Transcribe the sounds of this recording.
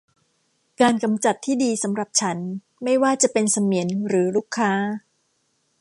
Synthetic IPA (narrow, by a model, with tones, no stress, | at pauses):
kaː˧nka˧mt͡ɕa˨˩t̪ʰːiː˥˩diː˧sa˩˦mɾa˨˩p̚t͡ɕʰa˦˥n | ma˥˩jwaː˥˩t͡ɕa˨˩pe˧nsa˧mi˩˦ənɾɯː˩˦ɾuː˥˩kʰːaː˦˥